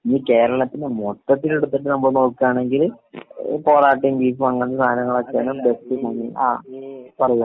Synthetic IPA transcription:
iːke̞ːɾɐɭɐt̪ːinɨmoʈːɐt̪ːileɽut̪ːiʈːɨnɐmːbɐɭno̞ːkːaːɳe̞ŋɡil | po̞ːraːʈːiŋbiːfʋɐŋːɐnːɐsʰaːɦɐnɐŋːɐɭɐkːaːnumbesʈimɐŋːia̰ːpɐrɐju

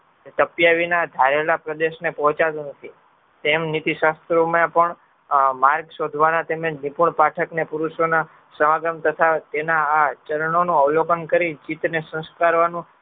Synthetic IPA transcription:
t̪əpjaʋinad̪ʱaɾelapɾəd̪eʃnepɔɦt͡ʃad̪unət̪ʰi | t̪emnit̪iʃast̪ɾumjãpəɳ | maɾɡʃod̪ʱʋanat̪eməd͡ʒnipuɳpaʈʰəknepuɾuʃona | səʋaɡəmt̪ət̪ʰat̪enaːt͡ʃəɾəɳonũəʋlokənkəɾid͡ʒit̪nesə̃skaɾʋanũ

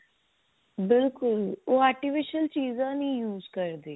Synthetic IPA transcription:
bɪlkʊloːɛːʈɪfɪʃəlt͡ʃiːzãːnĩːjuːzkəɾd̪eː

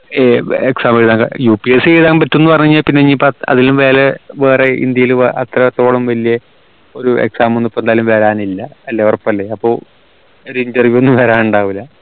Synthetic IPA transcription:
eːeksaːmeɻiðaːŋɡɐ̰juːpieseɻiðaːpɐtːo̞nːuɨpɐrɐɲːuɲːaːlpinːeɲːipːoɐ̰ðilumʋeːleʋe̞ːreḭnd̪jɐjilɐt̪rɐt̪o̞ːɭɐmʋɐlijɐ | o̞ɾuḛksaːmonːupːond̪aːlumʋɐɾaːnilːɐɐlːeorɐpːɐlːeɐpːo̞ː | oɾuindɐrʋjuonːɨʋɐɾaːnuɳɖaːʋilːɐ

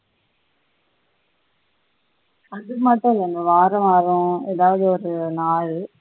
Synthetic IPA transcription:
ɐðɯmɐʈːʊ̃ɪlɛnɡɐʋaːɾɐmaːɾʊ̃ɛːðaːʋɐðɯɔɾɯnaːɻ

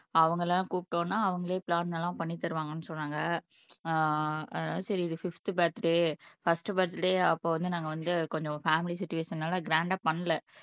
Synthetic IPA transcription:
ɐʋɐŋɡɐɭɛlãːkuːpʈːõːnːaːɐʋɐŋɡɐɭeːpɪɭaːnnɛlːãːpɐɳːit̪ːɐɾɯʋaːŋɡɐnːɯsɔnɾaːŋɡɐ | ɐðnaːðsɐɾiɪðɯfɪft̪ɯpɛːɾt̪ːɪʈeːfɐsʈɯpɛːɾt̪ːɪʈeːɐpːoːʋɐnd̪ɯnaːŋɡɐʋɐnd̪ɯkɔɲd͡ʒɔ̃faːmɪlisɪt͡ʃːʊʋeːʂɐnnaːlɐɡɾaːɳɖaːpɐɳːɐlɛ

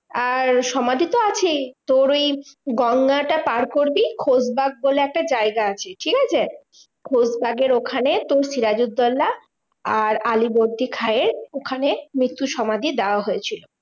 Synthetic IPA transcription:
aɾʃɔmad̪ʱit̪oat͡ɕʰet̪oɾojɡɔŋːaʈapaɾkoɾbikʰod͡ʑbaɡ̚boleɛk̚ʈad͡ʑaeɡaat͡ɕʰeʈʰikat͡ɕʰe | kʰod͡ʑbaɡeɾokʰanet̪oɾsiɾad͡ʑud̪ːɔlːa | aɾaliboɾd̪ʱikʰaeɾokʰanemɾit̪ːuʃɔmad̪ʱid̪eoaɦoet͡ɕʰilo

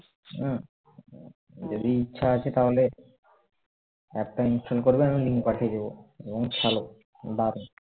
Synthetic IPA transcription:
d͡ʑod̪iitːɕʰaat͡ɕʰet̪aɦole | ɛk̚ʈainsʈolkoɾbeamiliŋɡpaʈʰied̪eboeboŋkʰɛlo | d̪aɾon

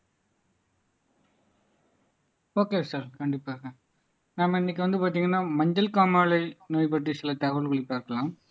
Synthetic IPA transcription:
oːkeːsaːɾkɐɳɖɪpːaːɾɣɐ | naːmɪnːɪkːɯʋɐnd̪ɯpaːɾt̪̬iːŋɡɐnːaːmɐɲd͡ʒɐlkaːmaːlɐɪnoːjp̬ɐʈːɯsɪlɐt̪aːʋɐlkʊɭɪpːaːɪɾɯkːɐlãːm

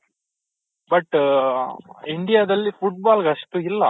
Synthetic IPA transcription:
bɐʈː | ɪɳɖɪjaːd̪ɐlfʊʈ̚baːlɡɐsʈɯɪlːɐ

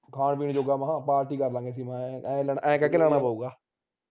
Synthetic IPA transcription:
kʰaːɳpiːɳd͡ʒoːɡaːmãːpaːɾʈiːkəɾlãːŋɡeːsiːmãːlːʔɛ̃ːkɛ̃kelaːɽ̃aːpaːuːɡaː

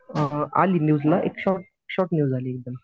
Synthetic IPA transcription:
əa̰linjuːd͡zlaʔḛkɕɔʈ̚ | kɕɔɾʈnjuːd͡zaliek̚d̪əna

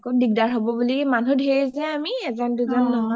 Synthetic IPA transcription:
kodiɡ̚daɹɦobɔbulikmanudʱeɹizɛamiɛzɔnduzɔnːɔɔ

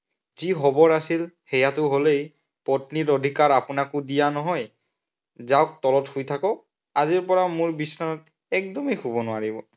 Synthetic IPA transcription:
zixɔbɔɹasilhɛjatʊɦolej | pɔtnitodʱikaɹapʊnakʊdijanɔɦɔj | zawk̚tɔlɔthujtʰakɔ | aziɹpɔɹamʊɹbisnɔnɔt̚ | ɛk̚dɔmejxubɔnʊwaɹibɔ

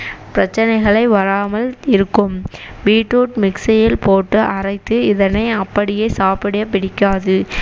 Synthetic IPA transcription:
pɪɾɐt͡ʃːɐnɐɪɣɐɭɐɪʋɐɾaːmɐlɪɾɯkːɯmbiːʈːuːʈmɪksɐjɪlpoːʈːɯʔɐrɐɪt̪ːɯɪðɐnɐɪɐpːɐɽɪjeːsaːpɪɽɐjɐp̬ːɪɽɪkːaːðɯ

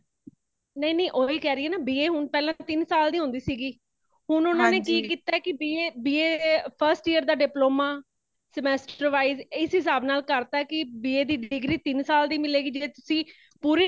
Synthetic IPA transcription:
nəineːʔoːiːkɛːɾɪjeːnaːbiːeːɦʊnpɛːlãt̪ɪnsaːld̪iːɦʊ̃nd̪iːsiːɡiː | ɦʊnʊnãːneːkiːkiːt̪aːɛkɪbiːeːbiːeːpʰəɾsʈiːəɾd̪aːɖɪploːmaː | səmɛːsʈəɾʋaːizɪsɦɪs̬aːbnaːlkəɾt̪aːɛkɪbiːeːd̪iːɖɪɡɾiːt̪ɪnsaːld̪iːmɪleːɡiːd͡ʒɪet̪ʊsĩː | puːɾiː

